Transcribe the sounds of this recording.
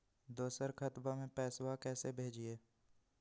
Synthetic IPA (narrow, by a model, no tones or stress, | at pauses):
d̪oːsəɾkʰət̪bamẽpɛːswakɛːsebʱeːd͡ʒieː